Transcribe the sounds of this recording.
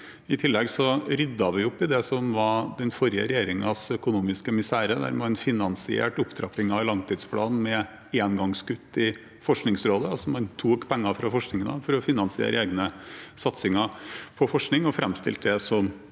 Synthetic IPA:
ɪt̪ʰɪlːɛɡsɔɾʏd̪ːɑʋɪʊpːɪd̪ɛsɔmʋɑd̪ɛnfɔɾɪə̰ɾɛjeːɾɪŋɑsœkʊnuːmɪskəmɪsæːɾəd̪æ̰ɾmɛɛnfɪnɑnsɪḛːʈʊpd̪ʰɾɑpɪŋɑʋlɑŋt̪ʰiːd̪spʰlɑ̰ːnmɛ | eːnɡɑŋskʉt̪ːɪ | fɔʂknɪŋsɾoːd̪əsɔmɑnt̪ʰuːkpʰɛŋːɑfɾɑfɔʂknɪŋənə̰fɔɾɔfɪnɑnsɪḛːɾʔəeːɡnəsɑt̪sɪŋɑpʰɔfɔʂknɪŋɔfɾɛmst̪ɪ̰lt̪əd̪ɛsɔm

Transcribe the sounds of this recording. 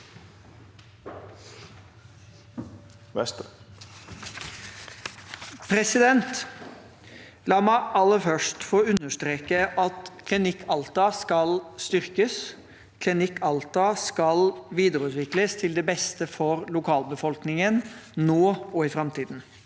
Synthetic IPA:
pʰɾɛsɪd̪ɛnt̪ | lɑːmæɪʔɑlːəfœʂʈfoːʉnːəʂt̪ɾeːkəʔɑt̪kʰlɪnɪkʰːɑlt̪ɑːskɑlst̪ʏɾkəs | kʰlɪnɪkːɑlt̪ɑːskɑlʋiːd̪əɾʉːt̪ʋɪkləst̪ʰɪld̪ɛbɛst̪əfɔɾlʊkʰɑːlbəfɔlknɪŋənnoːɔɪfɾɑmt̪iːd̪n̩

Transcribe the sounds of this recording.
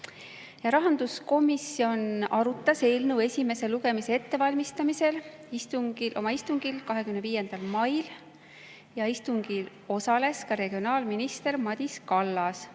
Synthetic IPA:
jɑɾɑɦɑnd̪̥usko̞misio̞nɑɾut̪ˑːɑse̞ːlnuwe̞sʲime̞se̞luɡ̥e̞mise̞e̞t̪ːe̞vɑlʲmist̪ɑmise̞l | ist̪uŋɡ̥ilʔo̞̰mɑist̪uŋɡ̥ilkɑɦe̞kymneviːje̞nd̪̥ɑlmɑjl | jɑist̪uŋɡ̥il | o̞sɑle̞skɑɾe̞ɡ̥io̞nɑːlminist̪e̞ɾmɑd̪̥ʲiskɑlːɑs

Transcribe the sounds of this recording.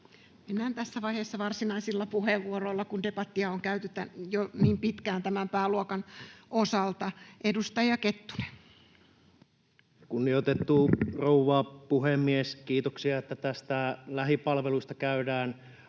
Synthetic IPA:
menːæːnt̪æsːæʋɑiheːsːɑʋɑrsinɑisilːɑpuheʋːuoroilːɑkundepɑt̪ːiɑoŋkæyt̪yt̪ːæjoniːmpit̪kæːnt̪æmæmpæːluokɑnʔosɑlt̪ɑʔedust̪ɑjɑket̪ːu̥ne̥n | kunːiot̪et̪ːurouʋɑːpuhemːieskiːt̪oksiɑet̪ːæt̪æst̪ælæɦipɑlʋelust̪ɑkæydæːn

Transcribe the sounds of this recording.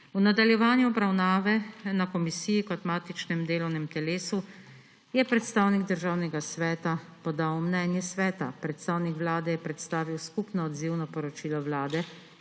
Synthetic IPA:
unad̪aljɛʋaːnjuɔbɾawnaːʋɛnakɔmisiːjikɔt̪maːt̪it͡ʃnɛmd̪eːlɔwnɛmt̪ɛleːsu | jɛpɾɛt̪st̪aːwniɡd̪əɾʒaːwnɛɡasʋɛːt̪apɔd̪awmnɛːnjɛsʋɛːt̪apɾɛt̪st̪aːwnikʋlaːd̪ɛjɛpɾɛt̪st̪aːʋiwskupnɔːd̪ziwnɔpɔɾɔt͡ʃiːlɔwlaːd̪ɛ

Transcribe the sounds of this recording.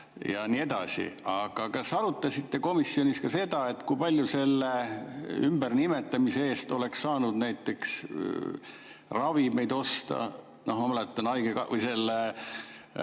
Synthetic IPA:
jɑnie̞d̪̥ɑsḭɑɡ̥ɑkɑsɑɾut̪ːˑɑsʲit̪ːe̞ko̞misːjo̞nʲiskɑse̞d̪̥ɑe̞t̪ːˑkujpɑlʲjuse̞lːeymbernimet̪ːˑɑmise̞e̞ːst̪o̞le̞kssɑːnud̪næjt̪ːˑe̞ks | rɑvime̞jd̪o̞st̪ɑ̰ | no̞hmɑmɑlet̪ːˑɑnɑjɡekɑvəjse̞lːe

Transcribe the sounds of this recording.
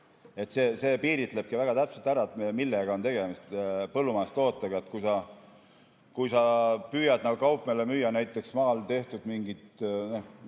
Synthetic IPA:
e̞t̪ːse̞ːse̞ːpiːɾit̪ˑle̞b̥̚kivæɡ̥ɑt̪æpselt̪æɾɑet̪mmilːeɡ̥ɑo̞nt̪e̞ɡ̥e̞mist̪pɤlːumɑest̪ˑo̞ːt̪ːˑɑɡ̥ɑet̪ːˑkujsɑ | kujsɑpyːjɑd̪̥nɑɡukɑwpˑmelemyjːɑnæjt̪ːˑe̞ksmɑːlt̪e̞ht̪ud̪̥miŋɡ̥it̪no

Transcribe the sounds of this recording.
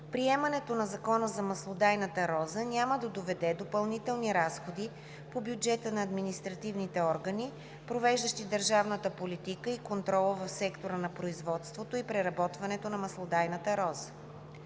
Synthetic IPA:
pɾiɛmɐnɛt̪onɐzɐkɔnəzɐmɐslˠod̪ajnət̪əɾɔzənʲaməd̪ɐd̪ovɛd̪ɛd̪opɐlˠnit̪ɛlˠniɾasxod̪i | pobjud͡ʒɛt̪ənɐːd̪minist̪ɾɐt̪ivnit̪ɛɔɾɡəni | pɾovɛʒd̪əʃt̪id̪əɾʒavnət̪əpolit̪ikəikont̪ɾɔlˠəvɐfsɛkt̪oɾənɐpɾoizvɔt̪st̪vot̪oipɾɛɾɐbɔt̪vɐnɛt̪onɐmɐslˠod̪ajnət̪əɾɔzə

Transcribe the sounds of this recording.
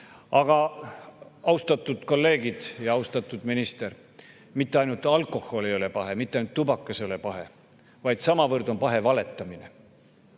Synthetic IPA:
ɑɡ̥ɑ | ɑwst̪ɑt̪ːˑud̪̥ko̞lːe̞ːɡid̪̥jɑɑwst̪ɑt̪ːˑud̪̥minist̪e̞r | mit̪ːe̞ɑjnult̪ːˑɑlkˑo̞ho̞lejo̞le̞pɑɦe̞mit̪ːeɑjnut̪ːubɑkːˑɑseo̞le̞pɑɦe̞̰ | vɑjd̪̥sɑmɑvɤrd̪̥o̞mpɑɦe̞vɑle̞t̪ːˑɑmine

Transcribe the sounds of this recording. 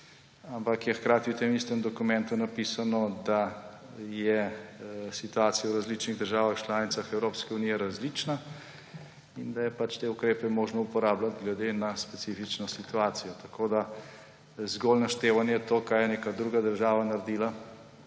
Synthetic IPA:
ampakjɛxkɾaːt̪iwt̪emist̪ɛmd̪ɔkumɛnt̪unapisanɔd̪a | jɛ | sit̪uaːt̪sijawɾazlit͡ʃniɣd̪əɾʒaːʋaxt͡ʃlaːnit̪saxɛwɾopskɛunijɛɾazlit͡ʃna | ind̪ajɛpat͡ʃt̪eukɾeːpɛmoːʒnɔupɔɾaːblat̪ɡlɛd̪enaspɛt̪sifit͡ʃnɔsit̪uaːt̪sijɔt̪ɐ̥kʰod̪a | zɡolnaʃt̪eːʋanjɛt̪oːkaːjɛneːkad̪ɾuːɡad̪əɾʒaːʋanaɾed̪ila

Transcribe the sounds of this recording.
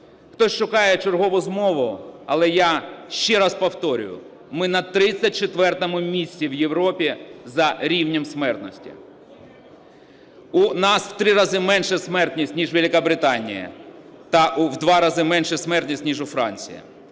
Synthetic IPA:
xt̪ɔsʲʃʊkɑjɛt͡ʃerɦɔʋʊzmɔʋʊɐlˠɛjaʃt͡ʃɛɾɑspɔwt̪ɔɾʲʊ̰jʊ̰ | mɪnɐt̪ɾɪt͡sʲːɐt̚ʲt͡ʃet̪ʋɛrt̪ɔmʊmʲisʲtʲiwjewɾɔpʲizɐɾʲiwnʲɔmsmɛrt̪nɔsʲtʲḭ | ʊnɑsw̥t̪ɾɪɾɑzɪmɛnʃɛsmɛrt̪nʲisʲtʲnʲiʒʋelʲɪkɐbɾɪt̪ɑnʲḭjɐ̰t̪ɐʔuwd̪ʋɑɾɑzɪmɛnʃɛsmɛrt̪ʲnʲisʲtʲnʲiʒʊfɾɑ̰nʲt͡sʲḭjɐ̰

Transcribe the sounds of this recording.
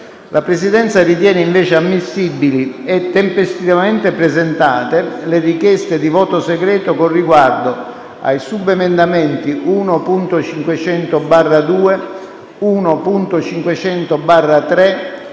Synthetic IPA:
lʔapɾesid̪ɛnt̪sarit̪̬jɛːneiɱvɛːt͡ʃeamːisːibːili | ɛt̪ːempest̪ivaament̪epɾezent̪aːt̪elerikjɛst̪ed̪ivɔːt̪oseɡɾɛːt̪okonrːiɡward̪o | a̰jsubemend̪amɛnt̪iʔuːnopunt̪ot͡ʃiŋkwet͡ʃɛnt̪obarːad̪uːe | uːnopunt̪ot͡ʃiŋkwet͡ʃɛnt̪obarːat̪ɾɛ

